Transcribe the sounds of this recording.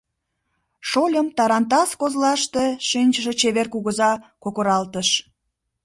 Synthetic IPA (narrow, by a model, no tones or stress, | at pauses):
ʃolʲəmt̪ɑɾɑnt̪ɑskozlɑʃt̪eʃinʲt͡ɕəʃet͡ɕeβerkuɣəzɑkokoɾɑlt̪əʃ